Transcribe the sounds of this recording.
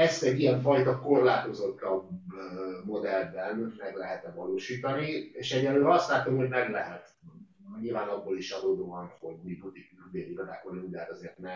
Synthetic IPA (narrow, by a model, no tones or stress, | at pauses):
ɛst̪ɛɟijɛɱfɒjt̪ɒko̞rlaːt̪o̞zo̞t̪ːɒb | mo̞d̪ɛld̪ɛnmɛɡlɛɦɛt̪ɛvɒloːʃiːt̪ɒnieːʃɛɟːɛlːøːɒst̪laːt̪ːomɦo̞ɟmɛmlɛɦɛt̪ | ɲilvaːnɒbːoːliʃɒd̪oːd̪oɒnho̞ɟmiput̪ikyd̪eːliɡɒza̰ːkolimud̪a̰t̪ɒzeːrt̪nɛ